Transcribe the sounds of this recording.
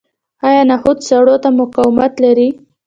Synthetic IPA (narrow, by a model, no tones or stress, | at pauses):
ɑjɑnahud̪saɽot̪amʊqawɪmat̪laɾi